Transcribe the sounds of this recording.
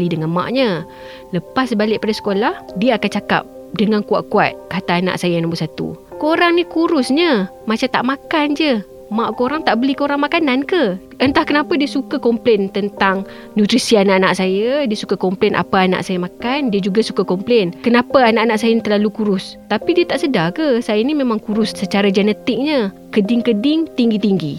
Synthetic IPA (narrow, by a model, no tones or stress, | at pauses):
lidəŋanmã̰ʔɲə | ləpasəbalɪʔ̚padasə̥kolahdiəakant͡ʃaka̰p̚ | dəŋankua̰ʔkua̰t̪̚kat̪aːna̰ʔsajanambusat̪ṵkoɾaŋnikuɾʊsɲə | mat͡ʃat̪a̰ʔmakand͡ʒə | mãʔkoɾaŋt̪aʔbəlikoɾaŋmakanankə | ʔənt̪ahkənapadiəsukakɔmplɛnt̪ənt̪aŋ | nut̪ɾisianaʔana̰ʔsajədiəsu̥kakɔmplɛnʔa̰paana̰ʔsajəmakandiəd͡ʒuɡasukakɔmplɛnkənapaanaʔanaʔsajənit̪əlalukuɾʊst̪apidiət̪aʔsədakəsajənimẽmaŋkuɾʊsːət͡ʃaɾad͡ʒənət̪ɪk̚ɲə | kədɪŋkədɪŋt̪iŋɡit̪iŋɡḭ